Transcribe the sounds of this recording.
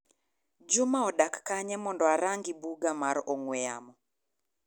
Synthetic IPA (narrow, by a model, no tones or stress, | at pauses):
d͡ʒʊmaɔdakːaɲɛmɔndɔaɾaŋɡibuɡamaɾɔŋwɛa̰mɔ